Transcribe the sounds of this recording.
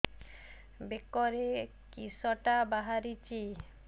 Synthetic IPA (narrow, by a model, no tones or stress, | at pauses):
bekɔɾe | kisɔʈabaɦaɾit͡ɕi